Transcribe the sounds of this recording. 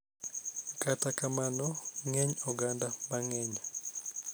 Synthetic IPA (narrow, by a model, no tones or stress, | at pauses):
katakamanɔŋɛɲɔɡandabaŋɛɲa